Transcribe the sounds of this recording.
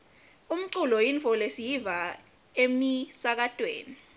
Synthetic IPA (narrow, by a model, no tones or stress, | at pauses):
um̩ǀulɔjiɱfʰɔlesijiva | emisak̬atʼwḛːni